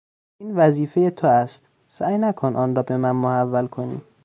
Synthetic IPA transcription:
ʔiːnvæziːfe̞jet̪ʰoæst̪ | sæːjnækʰonʔɒːnɾɒːbe̞mænmohævːælkʰonḭː

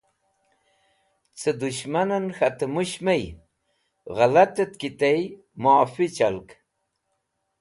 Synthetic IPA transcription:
t͡sʰəd̪uɕmanɐnxat̪əmuɕmaj | ɣalat̪ət̪̚kit̪aj | maːfit͡ɕalk

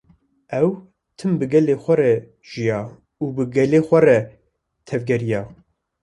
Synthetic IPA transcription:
ɛw | t̪ʰɨmbɨɡɛleːxʷɛɾɛ | ʒ̥ijɑː | ubɨɡɛleːxʷɛrɛ | t̪ʰɛvɡɛɾijɑː

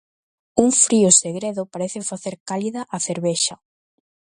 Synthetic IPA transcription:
uŋfɾiʊseɣɾeðʊpaɾeθɪfaθeɾkaliðaʔaθeɾβeʃɐ

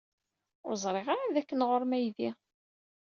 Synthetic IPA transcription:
ʊ̰ɾzˤɾˤeʁaɾaðækːənʁoɾˤmæjði

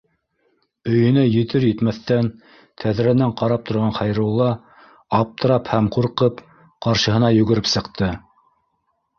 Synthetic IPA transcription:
ɵ̆jɵ̆næjɵ̆t̪ɵɾjɘ̆t̪mæθːæn | t̪ʰæðɾænæɴqɑɾɑp̚t̪ʰŏɾʁɑnχɑjɾɤ̆lˠːɑ | ɑp̚t̪ɤ̆ɾɑphæmquɾqɤp | qɑɾʃɤ̆ɦɤ̆nɑjɵ̆ɡɘ̆ɾɘpsɤ̆qt̪ɤ

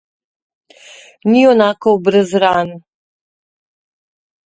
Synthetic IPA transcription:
niɔnaːkɔɔbɾəzɾaːn

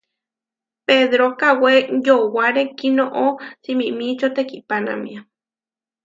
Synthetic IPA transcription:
peðɾokawejowaɾekinoʔot͡simĩʔmĩt͡ʃot̪ekipana̰mḭ̃a

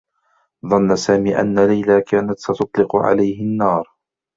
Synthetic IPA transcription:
ðˤɑnːasaːmiːʔa̰nːalajlaːkaːnat̪sɑt̪ʊt̪ˤlɪqʊʕa̰lajhɪnːɑːɾˤ

